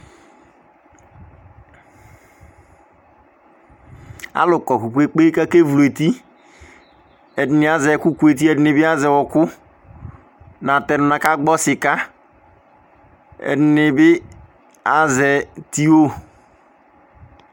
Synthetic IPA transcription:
a̰˦lʊ˨kɔ˨ku˨kʷe˨k͡pe˦ka˦ke˦vu˨le˨ti˦ | ɛ˨di˨˦ni˨a˦zɛ˨ku˦ku˨˦e˨t̬i˦e˦dɪ˦nɪ˨bi˦a˦zɛ˨wɔ˨kʊ˦ | na˨tɛ˨ɾna˨ka˦ɡ͡bɔ˦sɪ˨ka˦ | ɛ̰˨dɪ˨˦nɪ˨bɪ˦ | a˦zɛ˨ti˦o˦

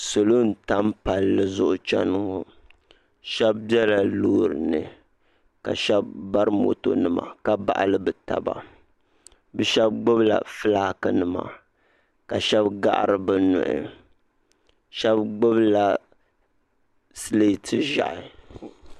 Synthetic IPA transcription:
so˨lo˦n̩˦ta˦mpa˨lːɨ˦zʊ˦ʔʊ˦t͡ʃɛ˦n˨ŋo˨ | ʃɛ˦bbjɛ˦la˨loː˦ɾɨ˨nɨ̰˨ | ka̰˨ʃɛ˦b̚ːa˦ɾɨ˦mo̰˨to˨nɨ˨ma̰˨ka˦ba̰˨ʔa̰˨lɨ˦bɨ˨ta̰˨ba̰˨ | bɛ˦ʃɛ˦b̚ɡ͡bʊ˦bla̰˨fɨ˦laː˦kɨ˨nɨ˨ma̰˨ | ka˨ʃɛ˦bɡa̰˦ʔa̰˨ɾɨ˨bɨ˦nʊ̰˨ʔɪ̰˨ | ʃɛ˦bɡ͡bʊ˦bla˨ | sle˦˨tʰɨ˦ʒa̰˨ʔɪ˨

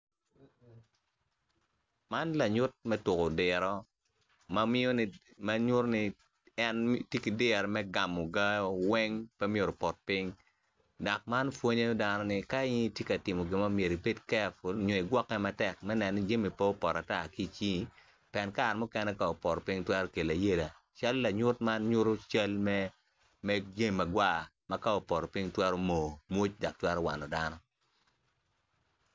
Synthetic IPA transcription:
ma˦nla˨ɲʊ˦t̚mɛ˦tʊ˨ko˨dɪ˨ɾɔ˦ | ma˦mɪ˦o˦nɪ˦ | ma˦ɲʊ˦ɾnɪ˦ | ɛ˦ntje˦ki˨dɪ˦˨ɾmɛ˦ɡa˨mo˨ɡa˦wɛ˦ŋpɛ˦mje˨ɾo˨pɔ˨t̚pi˦ŋ | da˨k̚ma˦nfwo˦ɲe˦da˦nɔ˦nɪ˨ka˦ɪ˦n˦tje˦ka˨tɪ˨mo˨ɡɪ˨ma˦mje˨ɾi˨pe˦tkɛ˦a˨fo˨lɲɔ˨i˨ɡwɔ˦kːɛ˦ma˦tɛ˦˨k̚mɛ˦nɛ˨nːɪ˦d͡ʒe˦mi˨po˦ɔ˦pɔ˨ɾa˨ta˦˨ki˦˨t͡ʃi˦ | piɛ˨nka˦˨ɾmɔ˦kɛ˦nɛ˦ka˦ɔ˨pɔ˨ɾɔ˨pi˦ŋtwɛ˦ɾɔ˦ke˨la˨je˦la˨ | t͡ʃa˦lɔ˦la˨ɲʊ˦tma˦nɲʊ˦ɾo˦t͡ʃa˦lmɛ˦ | mɛ˦d͡ʒe˦mi˨ma˨ɡwa˦˨ | ma˦ka˦ɔ˨pɔ˨ɾɔ˨pɪ˦ŋtwɛ˦ɾo˦mo˨mwo˦t͡ʃda˨k̚twɛ˦ɾɔ˦wa̰˨nɔ˨da˦nɔ˦

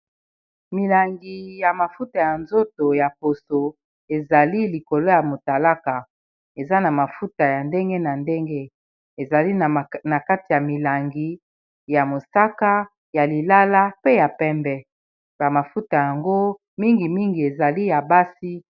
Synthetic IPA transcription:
mi˨la˨ŋɡi˨ja˨ma˨fu˦ta˨ja˨nzo˦to˨ja˨po˨so˨ | e˨za˨li˦li˨ko˨lo˦ja˨mo˨ta˨la˦ka˨ | e˨za˦na˨ma˨fu˦ta˨ja˨nde˦ŋɡe˦na˨nde˦ŋɡe˦ | e˨za˨li˦˨na˨ka˦ti˨ja˨mi˨la˨ŋɡi˨ | ja˨mo˨sa˦ka˦ | ja˨li˨la˦la˦pe˦ja˨pɛ˦mbɛ˦ | ba˨ma˨fu˦ta˨ja˨ŋɡo˦ | mi˦ŋɡi˨mi˦ŋɡi˨e˨za˨li˦ja˨ba˦si˦

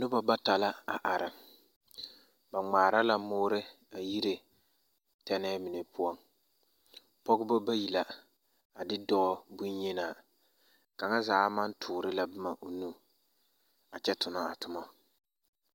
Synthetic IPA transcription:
nʊ˦ba˨ba˦ta˨la˦a˨ʔa˨ɾɪ˨ | ba˨ŋ͡maː˨ɾa˦la˦mʊː˦ɾɪ˦ | a˨ji˦ɾe˨ | tɛ˦nɛː˦mɪ˨ne˨pʊ˦ɔ˦ŋ | pɔ˦ɡʊ˦bɔ˦ba˦ji˨la˨ | a˨dɪ˦dɔ˦ɔ˦bu˦njɛ˦naː˨ | ka˨ŋa˦zaː˨˦ma˦n˦tʰʊː˨ɾɪ˦la˨bʊ˦ma˨ʔo˨nu˦ | a˨t͡ʃɛ˦tʊ˨na˦a˨tʊ˦ma˦

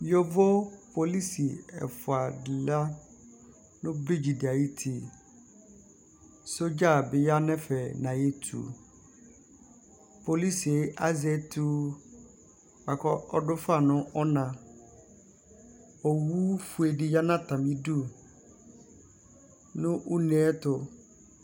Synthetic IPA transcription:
ɔ˦vɔ˦pʰo˨li˦si˨ɛ̰˨fʊ˨a˨dɪ˨la˦ | nʊ̃˦bɾi˦d͡ʑi˨di˨a˨ji˦tʰi˨ | so˦d͡ʑa˦˨bɪ˨ja˦nɛ̃˦fɛ˨nã˨je˦tʰṵ˨ | pʰo˨li˦si˨e˨˦ʔa˦zɛ˦tʰu˦ | a˨kʰɔ˦ɔ˦dʊ˦fa˦˨nʊ̃˦ʔɔ˦nã˨ | ɔ˨wu˦fu˨e˨di˨ja˦nã˦tʰã˨mĩ˦du˦ | nʊ̃˦ʔʊ˦nɛ̃˦tʰʊ˨

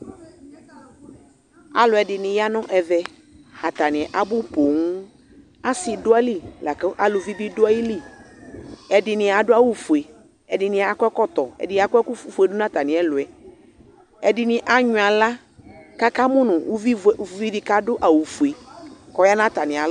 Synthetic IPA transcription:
a̰˨lʊ˨ɛ˨dɪ˨nɪ̃˨ja˦nɔ̃˦ʔɛ˨vɛ˦ | ha˨t̪a˨nɪ̃˨ʔa˨bʊ˦po˨ŋu˦ | a˦sɪ˨dʊ˦a˦li˦la˨kʔa˦lʊ˨vi˦bi˦dʊ˦a˦ji˦li˦ | ɛ˨dɪ˨nɪ̃˨a˨dʊ˦a˦wu˨fu˨e˨ | ɛ˨dɪ˨nɪ̃˨a˨kɔ˦ɛ˦kɔ˦t̪ɔ˨ɛ̰˨dɪ˨˦˨a˨kɛ˦ku˦fu˨ɛ˨dʊ˦nã˦t̪a˨nɪ̃˨ɛ˦lʊ˨ɛ˨ | ɛ˨dɪ˨nɪ̃˨ʔa˦ɲʊ̃˨a˨la˦ | ka˦ka˦mʊ̃˦nʊ̃˨u˦vi˦˨˦vi˦vi˦ka˦dʊ˦ʔa˨wu˨fu˨e˨kɔ˦ja˦nã˦t̪a˨nɪ̃˨a˨˦

